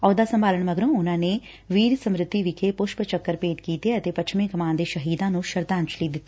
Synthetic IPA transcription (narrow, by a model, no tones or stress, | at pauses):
ɔːd̪aːsə̃mbaːləɳməɡɾõːʊnãːneː | ʋiːɾsəmɾɪt̪ːiːʋɪkʰeːpʊʃpt͡ʃəkːəɾpeːʈkiːt̪eət̪eːpətt͡ʃʰmẽɡəmaːnd̪eːʃəɦiːd̪ãːnũːʃəɾd̪ãːɲt͡ʃʰliːd̪ɪt̪ːi̥